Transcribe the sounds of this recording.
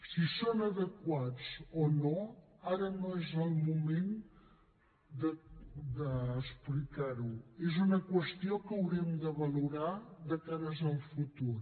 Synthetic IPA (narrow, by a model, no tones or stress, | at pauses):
sisonəðəkwat͡sono | aɾənõezəlˠmumẽn | d̪əd̪əːsplikaɾuezunəkwəst̪iokəwɾimd̪əβəluɾaðəkaɾəzəlˠfut̪uɾ